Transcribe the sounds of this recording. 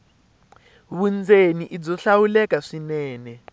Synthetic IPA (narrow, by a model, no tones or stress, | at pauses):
βund͡zeniʔid͡zɔɬawulɛkaʂinɛːnɛ